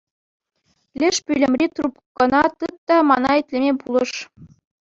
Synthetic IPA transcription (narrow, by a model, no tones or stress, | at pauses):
lʲɘ̆ʂpʲylʲɘ̆mʲrʲit̪rupkɤ̆nɑt̪ɯt̪ːɑmɑnɑet̪ʲlʲĕmʲepulˠɤ̆ʂ